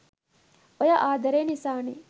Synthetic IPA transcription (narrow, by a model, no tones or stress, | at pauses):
ojaʔaːd̪ʱɐɾeːnisaːni